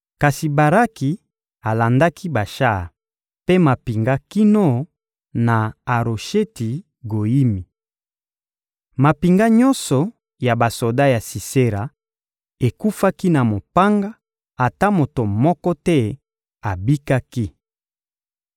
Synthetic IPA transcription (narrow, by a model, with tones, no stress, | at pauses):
ka˨si˨ba˨ʁa˦ki˨ | a˨la˨nda˦kʰi˦ba˨ʃa˦˨ | pe˦ma˨pi˨ŋɡa˦ki˦no˦˨ | na˨a˨ɾo˨ʃe˦ti˨ | ɡo˨i˦mi˨ | ma˨pi˨ŋɡa˦ɲɔ˦nsɔ˨ | ja˨ba˨so˨da˦ja˨si˨se˦ɾa˨ | e˨ku˦fa˦ki˦na˨mo˨pa˦ŋɡa˦ | a˨ta˦mo˨to˨mɔ˦kɔ˦tɛ˦ | a˨bi˦ka˦ki˦